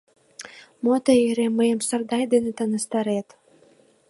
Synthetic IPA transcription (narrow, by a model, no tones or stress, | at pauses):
mot̪əiɾemːəjəmsərd̪ɑjd̪enet̪ənə̆st̪ɑɾet̪